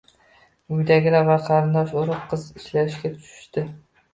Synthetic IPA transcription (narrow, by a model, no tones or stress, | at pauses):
ujd̪æɡʲɪlɛvɑqʰɑɾɨnd̪ɑʃoɾʊqʰːɨziʃlæɾɪʃkʲɛt̪ʰy̥ʃy̥ʃt̪ɪ